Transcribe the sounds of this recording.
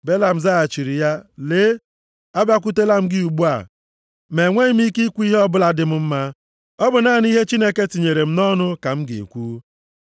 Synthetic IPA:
be˦la˨m̩˨za˦a˨t͡ʃi˨ɾi˨ja˦leː˦ | a˦bja˦k̬ʷu˦te˦la˦m̩˦ɡɪ˦u˨ɡ͡bu˦a̰˦˨ | me˨ŋʷe˦ɪ˦m˦i˦ki˦kʷu˦i˦ɦe˦ɔ˦bʊ˦la˦dɪ˦m̩˦m̩˦ma˦ | ɔ˦bʊ˨na˦˨n˦i˦ɦe˦t͡ʃi˦ne˦ke˦ti˨ɲe˨ɾe˨m̩˦nɔ˦nʊ˦ka˨m̩˦ɡḛ˨kʷuː˦

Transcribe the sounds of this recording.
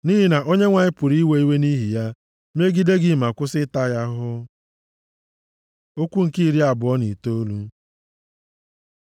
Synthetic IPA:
ni˦ɦi˦na˨ʔo˦ɲe˦ŋʷa˨ɲɪ˦pʊ˨ɾi˦we˦i˦we˦ni˦ɦi˨ja˦ | m˦e˦ɡi˦de˦ɡɪ˨ma˨kʷʊ˦sɪ˦ta˦ja˦ɦʊ˦ | o˦kʷu˦ŋ̩˨ki˦i˦ɾi˦a˨bʊ˨ɔ˦nḭ˨to˦lu˦

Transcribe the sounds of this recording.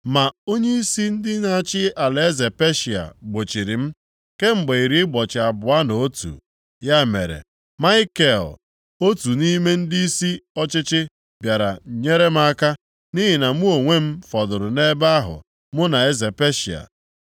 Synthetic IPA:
ma˨o˦ɲe˦i˦si˦n̩˦dɪ˦na˨a˦˨t͡ʃɪ˦a˨le˨e˦ze˨pe˦ʃi˨a̰˨ɡ͡bo˨t͡ʃi˨ɾɪ˨m̩˦ | ke˦ŋ͡m̩˨ɡ͡be˨i˨ɾi˦ɡ͡bɔ˨t͡ʃɪ˨a˨bʊ˨a˦no˨o˦tṵ˨ | ja˦mḛ˨ɾḛ˨ | ma˦ɪ˦ke˦˨l | o˦tu˨ni˦me˦n̩˦dɪ˦i˦si˦ɔ˦t͡ʃɪ˦t͡ʃɪ˦ | bja˨ɾa̰˨ɲe˦ɾe˦m̩˦a˦ka˦ | ni˦ɦɪ˨na˨mʊ˦o˨ŋʷe˦m̩˦fɔ˨dʊ˨ɾʊ˨ne˦ba˦ɦʊ̰˨ | mʊ˦na˨e˦ze˨pe˦ʃḭ˨a̰˨

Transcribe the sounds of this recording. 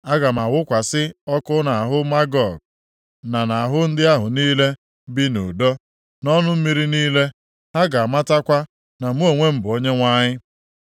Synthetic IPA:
a˦ɡa˨m̩˨a˨wʊ˦kʷa˨sɪ˦ɔ˦kʊ˦na˨a˨ɦʊ˦ma˦ɡɔ˨ɡ̚ | na˨na˨a˨ɦʊ˦n̩˦dɪ˦a˦ɦʊ˨niː˦le˦ | bi˦nṵ˨dɔ˦ | nɔ˦nʊ˦m̩˦mi˦ɾi˦niː˦le˦ | ɦa˦ɡa˨a˨ma˦ta˦kʷa˦ | na˨mu˦o˨ŋʷe˦m̩˦bʊ˨o˦ɲe˦ŋʷa˦ɲɪ˦

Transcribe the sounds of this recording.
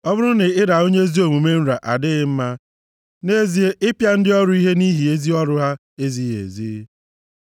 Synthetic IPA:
ɔ˦bʊ˦ɾʊ˦nɪ˨ɪ˦ɾa˨o˦ɲe˦zi˦o˨mu˨me˦n̩˦ɾa˨ʔa˨dɪ˦ɪ˦m̩˦ma˦ | ne˦zi˦e˦ʔɪ˦pja˦n̩˦dɪ˦ɔ˦ɾʊ˦i˦ɦe˦ni˦ɦi˨e˦zi˦ɔ˦ɾʊ˦ɦa˦ | e˦zi˦ḛ˨zḭ˦

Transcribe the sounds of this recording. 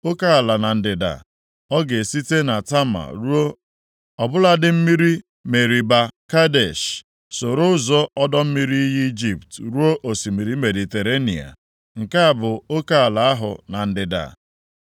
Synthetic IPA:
o˦ka˦a˨la˨na˨n̩˨dɪ˨da̰˨ | ɔ˦ɡe˨si˦te˦na˨ta˦ma̰˨ɾu˦o˦ | ɔ˨bʊ˦la˦dɪ˦m̩˦mi˦ɾi˦ | me˨ɾi˨ba˨ka˦de˨ʃ | so˨ɾʊ˦zɔ˦ɔ˦dɔ˦m̩˦mi˦ɾi˦ji˦i˦d͡ʒi˨ptɾu˦o˦ʔo˨si˨mi˨ɾi˦me˨di˨te˨ɾe˦nḭ˨a̰˨ | ŋ̩˨ka˦a˦˨bʊ˨o˦ka˦a˨la˨a˦ɦʊ̰˨na˨n̩˨dɪ˨da̰˨

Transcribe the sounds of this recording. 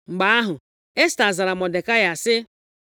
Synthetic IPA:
ŋ͡m̩˨ɡ͡ba˦a˦ɦʊ˨ | e˦sta˨za˨ɾa˨mɔ˨de˨ka˦ja˨sɪ˦

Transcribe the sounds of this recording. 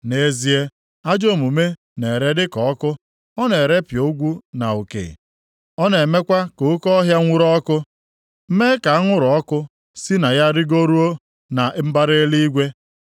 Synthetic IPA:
ne˨zi˨e˦ | a˦d͡ʒo˦˨mu˨me˦ | ne˨ɾe˦dɪ˦kɔ˨ɔ˦kʊ˦ | ɔ˦ne˨ɾe˦pjo˨˦ɡʷu˦na˨u˨kḛ˨ | ɔ˦ne˨me˦kʷa˦ko˨ʊ˦kɔ˦ɦja˦ŋʷu˦ɾɔ˦kʊ˦ | m̩˦me˦ka˨a˦ŋʷʊ˦ɾʊ˨ɔ˦kʊ˦ | si˦na˨ja˦ɾɪ˦ɡo˦ɾu˦o˦ | na˨ʔm̩˦ba˦ɾe˦li˦i˦ɡʷe˦

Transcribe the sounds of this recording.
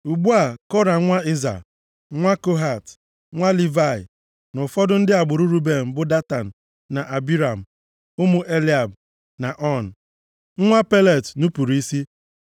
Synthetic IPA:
u˨ɡ͡bu˦a˨kɔ˦ɾa˨˦ŋʷa˦i˦za̰˨ | ŋʷa˦ko˦ɦa˨t | ŋʷa˦li˦va˦˨ɪ˨ | nʊ˨fɔ˦dʊ˦n̩˦dɪ˦a˨ɡ͡bʊ˨ɾu˦ɾu˦be˨m̩˨bʊ˦da˦ta˨n̩˨ | na˨ʔa˨bi˦ɾa˨m̩˨ | ʊ˦mʊ˨ʔe˦li˦a˨b | na˨ʔɔ˦˨n̩˨˦ | ŋʷa˦pe˦le˦˨tnu˦pu˨ɾu˨i˦si˦

